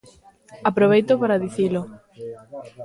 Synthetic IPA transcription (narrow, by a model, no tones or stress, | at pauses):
apɾoβ̞ejt̪opaɾaðiθilo